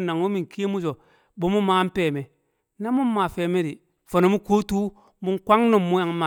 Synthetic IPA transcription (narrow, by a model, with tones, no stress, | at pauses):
na˨ŋo˦mi˨ŋ˨ki˦mu˦d͡ʒo˨ | bo˦mu˦ma˦m˦peː˦˨me˨ | na˦muː˦a˨fe˨me˦ɾi˨ | fo˨no˨mu˦ko˦tu˦ | mu˦ŋ˦kʷa˦ŋno˨mːu˦ja˨ŋ˦ma˨